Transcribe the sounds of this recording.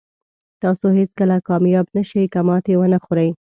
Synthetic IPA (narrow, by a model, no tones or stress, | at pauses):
t̪ɑsohet͡skəlakɑmjɑbnaʃəjkamɑt̪ewənaxoɾəj